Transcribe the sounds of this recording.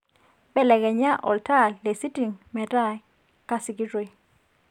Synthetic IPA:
ɓɛ˦˨lɛ˨ɡɛ˨ɲa˦ʔɔ̰˨lta˦˨lːe˨si˦ti˨ŋmɛ˨ɾa˦˨j | ka˦sɪ˨ki˦ɾwe˨

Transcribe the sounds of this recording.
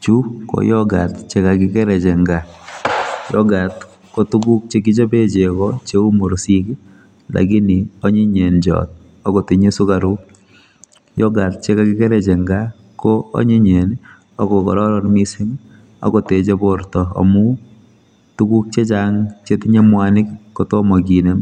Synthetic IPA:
t͡ʃu˦ko̰jɔɡa˨tt͡ʃe˦ka˨kɪ˦kɛ˦ɾɛ˨t͡ʃe˨ŋɡa | jɔɡa˨t | ko˦tu˦ku˦k̚t͡ʃe˦ki˦t͡ʃɔ˦pe˦t͡ʃe˨kɔt͡ʃe˦u˦mo˨ɾsi˦k | la̰˨ki˦ni˨ɔ˦ɲi˦ɲe˨nd͡ʒɔ̰˨t̚ | ɔ˦ko˨ti˨ɲe˦su˦ka˨ɾu˦ | jɔɡa˨t̚t͡ʃe˦kakɪ˦kɛ˦ɾɛ˨t͡ʃe˨ŋɡa˦ | koɔ̰˦ɲe˦ɲe˨n | ɔ˦kɔ˨kɔ˨ɾɔ˦ɾɔ˦nmi˦si˦ŋ | ɔ̰˨ko˨te˨t͡ʃe˦poɾtɔ˨a̰˨mu˦ | tu˦ku˦k̚t͡ʃe˦t͡ʃaŋt͡ʃe˦tɪ˦ɲe˦mwa˦nɪ˦kːotɔ˦mɔ˨k̬i˨ne˨m

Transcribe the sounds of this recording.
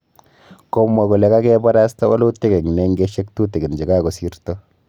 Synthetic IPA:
ko˦ma˨ku˨le˨ka˦kɛ˦bɔ˦ɾa˦sta˦wa˦lo˦te˦kɛ˨ŋ˨nɛ˦ŋɡe˦ʃe˦k̚tu˦te˨ɡi˨nd͡ʒi˨ka˦ko˨si˦ɾtɔ˦

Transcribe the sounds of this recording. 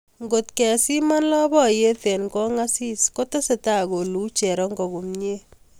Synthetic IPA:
ŋɡo˨tkɛ˨si˦ma˦nlɔ˦bɔ˦je˦tɛ˨nkɔ˦ŋa˦si˦sko˦te˦se˨ta˦˨ɡo˨lu˨˦t͡ʃɛ˨ɾɔ˦ŋɡɔ˨ɡu˨mɲe˦

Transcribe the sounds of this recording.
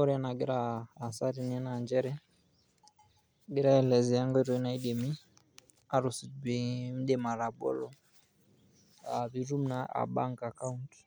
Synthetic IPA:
ɔ˦ɾɛ˦na˨ɡɛ˦ɾaː˨sa˦ɾi˨nɛ˦na˨nd͡ʒɛ˦ɾɛ˦ | ɡɛ˦ɾa˦ɛ˨lɛ˨zi˨ja˦ŋɡɔ˦ɾɔ˨i˦na˨i˦ɗɛ˨mi˦ | a˨ɾu˨si˨bi˨m̩˦ɗɛ˦ma˨ɾa˨bɔ̰˦lɔ˦ | a˨βi˨ɾu˦m̩na˨a̰˨ɓa̰˦ŋka˨ka˦unt

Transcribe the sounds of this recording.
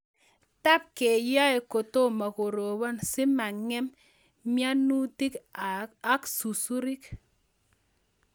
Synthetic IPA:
ta˦p̚ke˨ja˦e˨ko˨to˦˨ma˨ko˨ɾo˨bɔ˦nsɪ˦ma˨ŋɛ˦m | mja˦nu˦ti˦k | a˦ksu˨su˦ɾi˦k

